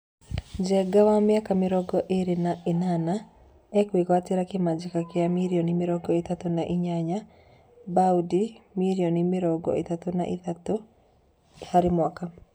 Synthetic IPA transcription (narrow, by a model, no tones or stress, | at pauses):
d͡ʒɛɡawamjakamɪɾɔɡɔʔeɾenaʔenana | ɛkwikwateɾakemad͡ʒikakeamiɾiɔnimɪɾɔɡɔetatonaʔiɲaɲa | baudimiɾiɔnimɪɾɔɡɔ̰etatona̰ʔitato | haɾɪmwaka